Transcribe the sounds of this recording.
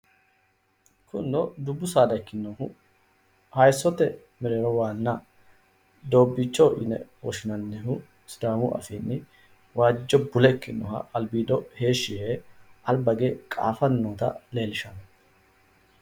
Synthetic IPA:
kʰʊnːɔd̪ʊbːʊsaːd̪ɐkːɪnːɔhʊ | hɐjsɔt̪ɛ | mɪɾeɾɔwaːnːɐ | d̪oːbːɪt͡ʃːɔʔɪ̰nɛ̰wɔ̰ʃɪnɐnːɛɦʊ | sɪd̪aːmʊʔɐ̰fiːnːɪ | waːd͡ʒːɔbʊlɛkːɪnːɔ̰hɐ̰ɐlbiːd̪ɔhe̞ːʃɪheʔɐlbɐɡekʼa̰ːfɐnːoːt̪ɐ̰le̞ːlɪʃɐnɐ

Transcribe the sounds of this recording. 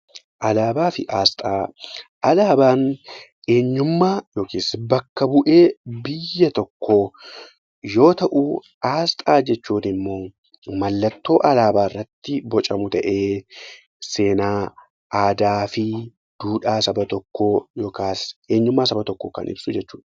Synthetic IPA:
ʔɐlaːbaːfɪʔaːst̪ʼaːʔɐlaːbaːn | ʔe̞ːɲːʊmːaːjo̞ːkiːsbɐkːɐbʊʔe̞ːbɪjːɐt̪ɔkːo | jo̞ːt̪ɐʔuː | ʔaːst̪ʼaːd͡ʒɛt͡ʃːuːnɪmːo̞ː | mɐlːɐt̪ːo̞ːʔɐlaːbaːrːɐt̪ːɪbɔt͡ʃʼɐmʊt̪ɐʔe̞ː | se̞ːnaː | ʔaːd̪aːfɪ | d̪̥uːᶑaːsɐbɐt̪ɔkːo̞ːjɔkaːseːɲːʊmːaːsɐbɐt̪ɔkːokɐ̰nʔɪ̰bsʊd͡ʒɛt͡ʃːuːᶑɐ̥

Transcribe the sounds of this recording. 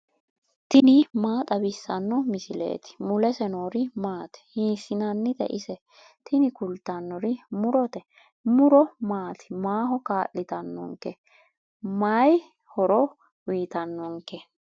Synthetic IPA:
t̪ɪnɪmaːt̪ʼɐbɪsːɐnːɔmɪsɪlḛːt̪ɪ̥mʊlɛsɛnoːɾɪmaːt̪ɪ̥hiːsːɪnɐnːɪt̪ɛ̰ʔɪsɛ | t̪ʰɪnɪkʊlt̪ɐnːɔɾɪmʊɾɔt̪ɛ | mʊɾɔmaːt̪ɪ̥maːɦɔkaːʔɪt̪ɐnːɔ̰ŋkɛ | maj | hɔɾɔ | wiːt̪ɐnːɔŋkɛ

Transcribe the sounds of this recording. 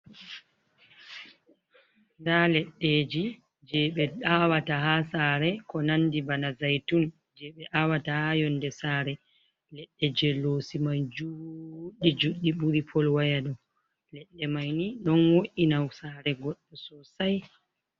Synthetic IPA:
ndalɛɗːeːd͡ʒi | d͡ʒɛɓɛawatahasaɾɛkɔnandibanazajtun | d͡ʒɛɓɛʔawatahajɔndɛsaːɾɛ | lɛɗːɛd͡ʒɛlːoːsimajd͡ʒuɗid͡ʒuɗːiɓuɾipʰɔlwajaɗɔ | lɛɗːɛmajniɗɔnwoʔinawsaɾɛɡɔɗːɔsɔsaj

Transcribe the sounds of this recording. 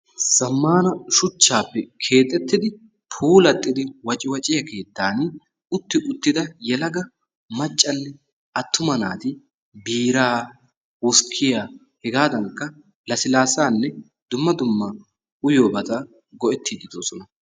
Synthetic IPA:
sɐmːaːnɐʃʊt͡ʃːaːpːɛkʰe̞ːt̪ʼːɛt̪ːɪd̪ɪ | pʰuːlɐt̪ʼːɪd̪ɪwɐt͡ʃʼɪwɐt͡ʃʼɪjɐke̞ːt̪ːaːn | ʊt̪ːɪʔʊt̪ːɪd̪ɐjɛlɐɡɐ | mɐt͡ʃʼːɐnːɛ | ɐt̪ːʊmɐna̰ːt̪ɪ | biːɾaː | wʊskʰːɪja | hɛɡaːd̪ɐŋkːɐ | lɐsɪlaːsaːnːɛ | d̪ʊmːɐd̪ʊmːɐ | ʊjo̞ːbɐt̪ɐ | ɡɔʔɛt̪ːiːd̪ɪd̪oːsɔnɐ

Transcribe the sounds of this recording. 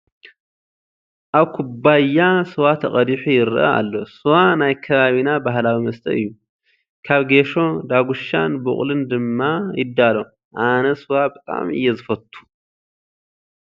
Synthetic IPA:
ʔaβkʰubajːasɨwat̪ʰɐχʼɐd̪iħujɪɾʔɐ̰a̰lːo̞sɨwanajkʰɐβaβinabaɦlawimɐst̪ʰɐ̰ɨjːu | kʰaβɡe̞ʃo̞d̪aɡuʃa̰nbṵχʼlɨnd̪ɨmːajɪd̪ːalo | ʔanɐsɨwabɨt̪ʼa̰mɨ̰jːɛzɨfɐt̪ʰʼːu̥

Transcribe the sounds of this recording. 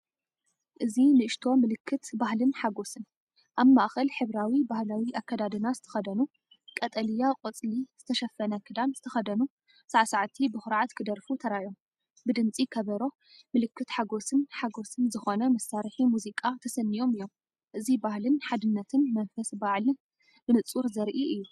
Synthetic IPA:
ʔɨzinɨʔɨʃt̪ʰo̞mɨlɨkʰːɨt̪baɦlɨnħaɡo̞sɨn | ʔaβmaʔxɐlħɨβɾawibahlawiʔakːɐd̪ad̪ɨnazɨt̪ʰɐ̥xɐd̪ɐnu | kʼɐt̪ʼɐlɨjaqʼɨt͡sʼliz̥ɨt̪ʰɐʃɐfːɐnɐkʰɨd̪anz̥ɨt̪ʰɐxɐd̪ɐnu | saʕasaʕat̪ʰibɨxɨɾʕat̪kʰɨd̪ɐɾfut̪ʰɐɾajo̞m | bɨd̪ɨnt͡sʼikʰɐβɐɾo̞ | mɨlɨkːɨt̪ħaɡo̞sɨnħaɡo̞sɨnzɨxo̞nɐmɐsaɾħimuzikʼat̪ʰɐsɐnːijo̞mɨjːo̞m | ʔɨzibahlɨnħad̪ɨnːɐt̪ʰɨnmɐnfɐsbaʕlɨn | bɨnɨt͡sʼuɾzɐɾʔiʔɨjːu

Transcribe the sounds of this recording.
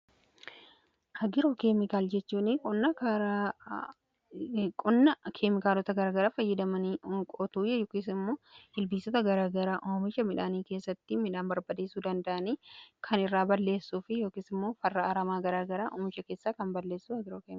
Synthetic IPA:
hɐɡɪɾokeːmɪkaːld͡ʒɛt͡ʃːuːnɪkʼɔnːɐkɾ | kʼɔnːɐkʰeːmɪkaːlɔt̪ɐɡɐɾaːɡɐɾaːfɐjːɐd̪ɐmɐnikʼɔt̪uːjɐjoːkisɪmːo̞ːhɪlbiːsɔt̪ɐɡɐɾaːɡɐɾaːʔoːmɪʃɐmɪᶑaːniːke̞ːsːɐt̪ːɪmɪᶑaːnbɐɾbɐd̪eːsuːd̪ɐnd̪ɐʔɐniːkʰɐnɪrːaːbɐlːe̞ːsːuːfɪjo̞ːkiːsɪmːoːfɐrːɐɐɾɐmaːɡɐɾaːɡɐɾaːʔʊ̰mɪt͡ʃːɐke̞ːsːaːkɐmbɐlːe̞ːsːuːɐɡɪɾoːkeːm

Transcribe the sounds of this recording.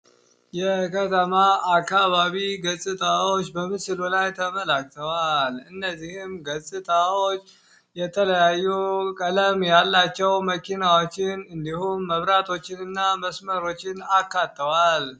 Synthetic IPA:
jɛkʰət̪ʰəmaakːaβaβiɡəsʼɨt̪ʼawot͡ʃːbəmɨsɨlulajt̪ʰəməlakt̪ʰəwalɨnːəzːihɪmɡəsʼɨt̪ʼawot͡ʃː | jɛt̪ʰələjajːukʼələmjalːat͡ʃːɛwməkinawo̞t͡ʃːɪnɨnd̪ihumːəβɾat̪ʰo̞t͡ʃːɪnɨnːaməsməɾo̞t͡ʃːɪnakːat̪ːəwal

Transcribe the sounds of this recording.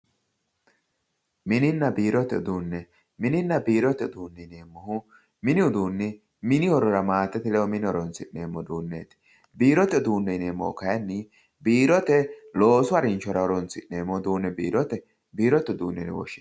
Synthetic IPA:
mɪnɪnːɐbiːɾɔt̪ːɛʊd̪uːnːɛ | mɪnɪnːɐbiːɾɔt̪ːɛʊd̪uːnːɛɪneːmːɔhʊ | mɪnɪʊd̪uːnːɪ | mɪnɪɔɾɔɾɐmaːt̪ːɛt̪ɪlɛwɔmɪnɪɔɾɔnsɪnːeːmːɔd̪uːnːḛːt̪ɪ̥ | biːɾɔt̪ːɛʊd̪uːnːɛneːmːɔ̰hʊ̰kɐjɐnːɪ | biːɾɔt̪ɛlo̞ːsʊɐɾɪnt͡ʃɔɾɐhɔɾɔnsɪnːeːmːɔd̪uːnːɛbḭːɾɔt̪ɛ | biːɾɔt̪ːɛd̪uːnːɛnɛ̰wɔ̰ʃːɪ̥

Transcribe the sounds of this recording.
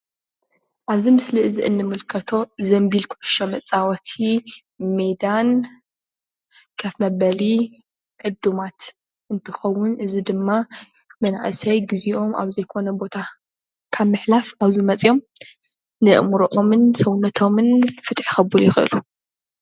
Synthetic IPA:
ʔaβzimɨsliʔɨziʔɨnːɨmɨlkʰɐt̪ʰo̞zɐmbilkʰʊʕʊ̥ʃɐmɐt͡sʼawɐt̪ʰi | med̪an | kʰɐfmɐbɐli | ʕɨd̪umat̪ | ʔɨnt̪ʰɨxɐwːʊnɨzid̪ɨmːa | mɐna̰ʔɨsɐjɡɨziʔo̞mʔa̰βzɐjkʰo̞nɐbo̞t̪ʰa | kʰaβmɨħlafaβzimɐt͡sʼjo̞m | nɨʔmɾʔo̞mɨnsɐwnɐt̪ʰo̞mɨnfɨt̪ʼħi̥xɐbɨljɪxɨʔɨ̰lu

